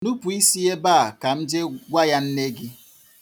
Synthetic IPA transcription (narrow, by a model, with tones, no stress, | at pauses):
nu˦pu˨i˦si˦e˦baː˦˨ka˨m̩˦d͡ʒe˦ɡʷa˦ja˦n̩˦ne˦ɡi˦